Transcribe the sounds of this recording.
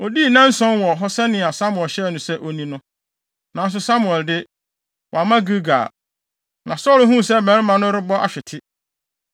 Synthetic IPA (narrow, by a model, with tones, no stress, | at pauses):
ɔ˨di˦˨nã˦n̩˦sɔ̃˦nwɔ˨ɦɔ˦sɛ˦nɪ̃˨a˨sa˦mʊ˨ɛ˨lɕɛ˦˨nʊ̃˨sɛ˦ʔo˨nĩ˦nʊ̃˦ | nã˨n˦s̬ʊ˨sa˦mʊ̃˨ɛ˨ldɪ˦ | wɔ˨a˨mã˦ɡu˦ɡa̰˨ | nã˨sɔ˦lɦũ˦˨sɛ˦mɛ̃˨˦ɪ˦mã˨nʊ̃˦ɾɪ˦bɔ˦ʔa̰˨ɕᶣɪ˨tʰɪ˦